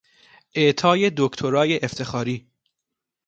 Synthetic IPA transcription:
ʔeʔt̪ʰɒːje̞d̪okt̪ʰoɾɒːjeʔːft̪ʰe̞xɒːɾiː

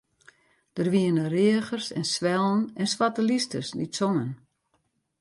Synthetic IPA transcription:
d̥ərʋiənərɪəxərsɛ̰nsʋɛlˠn̩ɛnswatəlistə̰sdisɔŋən

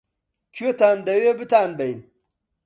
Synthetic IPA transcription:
kʰot̪aːnd̪ɐwebit̪aːnbɐjn

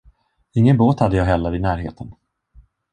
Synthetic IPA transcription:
ɪŋːənboːt̪had̪ːəjɑːɦɛlːəɾɪnæːɾɦḛːt̪ʰən

